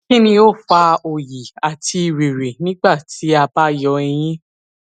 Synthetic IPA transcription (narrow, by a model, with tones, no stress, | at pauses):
kĩ˦nĩ˧o˦˨fa˧o˨ji˨a˨ti˧i˨ɾi˨ɾi˨nĩ˦ɡ͡ba˦˨ti˨˦a˧ba˦jɔ˧ɛ˧j̃ĩ˦